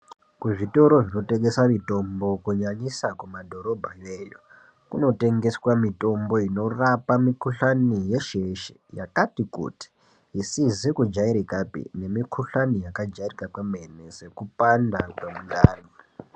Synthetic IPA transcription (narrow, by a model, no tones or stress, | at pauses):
kuʐito̞ɾo̞ʐino̞te̞ɡe̞saʋito̞mbo̞kuɲaɲisakumadʱo̞ɾo̞bʱajejo̰ | kuno̞te̞ŋɡe̞swamito̞mbo̞ino̞rapamikuɬanije̞ʃeʃe̥ja̰katikṵti̥ | ɦisizikud͡ʒaiɾikapḭne̞mikʰuɬanijakad͡ʒairikakweme̞nese̞kupandakwemundaːni